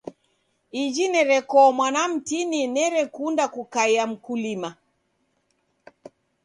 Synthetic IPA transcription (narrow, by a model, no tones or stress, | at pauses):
id͡ʒinɛɾɛkɔmwanam̩tininɛɾɛkundakukaiam̩kulima